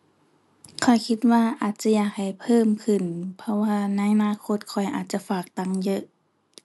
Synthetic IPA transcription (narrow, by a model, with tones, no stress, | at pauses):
kʰɔ˨˩jkʰi˧˥t̪̚waː˧ʔaː˨˩t̪̚t͡ɕa˧˥jaː˨˩k̚ha˨˩jpʰɤː˧˨mkʰɯ˨˩npʰɔ˧waː˧na˧˥jʔa˧naː˧˨kʰo˧t̪̚kʰɔ˨˩jʔa̰ː˨˩t̪̚t͡ɕa˧˥faː˨˩k̚t̪a˧˥˩ŋjɤ˧˥ʔ